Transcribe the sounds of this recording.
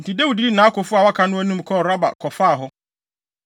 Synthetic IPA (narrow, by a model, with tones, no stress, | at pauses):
n̩˨tʰi˨de˦wu˨di˦i˦nãː˨˦a˦kʰʊ˨fʊ˦a˨wa˦kʰa˦nʊ̃˦æ˦nũ˦m̩˨kʰɔ˦˨ɾa˦ba̰˨kʰɔ˨fa˦˨ɦʊ˦